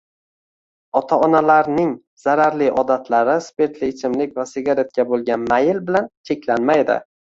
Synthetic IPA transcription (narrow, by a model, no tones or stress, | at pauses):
ɒt̪ʰaɒnalaɾnɪŋ | z̥aɾaɾliʔɒd̪at̪ʰlaɾɪspe̞ɾt̪lit͡ʃʰɪmlɪkʲvasɪɡʲaɾe̞t̪̚kʲabolˠɡʲanmajɪlbɪlant͡ʃʰe̞kʲʰlanmajd̪ɪ̰